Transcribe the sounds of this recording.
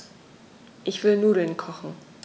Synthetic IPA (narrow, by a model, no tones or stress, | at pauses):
ʔɪçv̥ɪlnuːdl̩nkʰɔχn̩